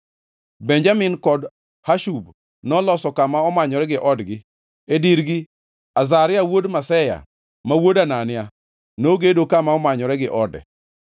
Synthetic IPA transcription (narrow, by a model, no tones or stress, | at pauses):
bɛɲd͡ʒamɪnkɔd | haʃub | nɔlɔsɔkamaɔmaɲɔɾɛɡɪʔɔdɡɪ | ediɾɡɪ | azaɾɪawodmasɛja̰ | mawodananɪa | noɡedokamaɔmaɲɔɾɛɡɪʔɔdɛ̰